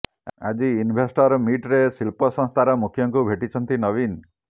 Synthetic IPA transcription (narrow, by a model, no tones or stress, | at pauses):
a̰d͡ʒiːnbʱesʈɔɾɔmiʈɾesilpɔsɔ̃ŋst̪ʰaɾɔmukʰjɔŋkubʱeʈit͡ʃʰɔnt̪inɔbin